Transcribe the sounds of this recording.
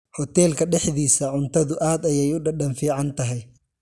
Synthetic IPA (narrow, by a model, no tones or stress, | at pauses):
hɔt̪ʰɛːlkʰɐɖɛħðiːsɐʕʊnt̪ʰɐðʊʔaːd̪ɐjɛjʊɖɐɖɐnfiːʕɑnt̪ʰɐɦɛj